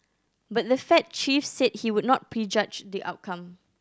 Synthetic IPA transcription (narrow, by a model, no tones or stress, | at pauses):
bat̚dəfɛt̚t͡ʃifsed̚hiwʊd̚ⁿnɔt̚pɹid͡ʒad͡ʒdiʔa̰ʊt̚kʰãm